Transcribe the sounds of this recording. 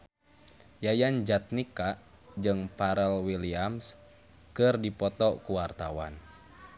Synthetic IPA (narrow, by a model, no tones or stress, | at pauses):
jajand͡ʒat̪̚nikaʔ | d͡ʒɨŋpaɾɛlwiliams | kɨrdipɔt̪ɔkuwart̪awa̰n